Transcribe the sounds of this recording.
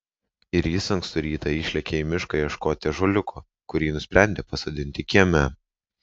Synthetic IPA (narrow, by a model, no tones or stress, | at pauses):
ɪɾiːsɐŋkst̪ʊɾʲiːt̪ɐiːʃʲlʲɛkʲeɪmʲɪʃkɐjɛʃkoːt̪ʲɪʒoːlʲʊkʰoː | kʊɾʲiːnʊsʲpʲɾʲæˑnʲd̪ʲeːpɐsoːd̪ʲɪnʲt̪ʲɪkʲiɛmʲæ